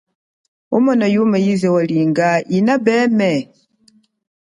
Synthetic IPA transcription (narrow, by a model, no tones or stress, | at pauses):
umɔnajumajizɛwaliŋɡainabɛmɛ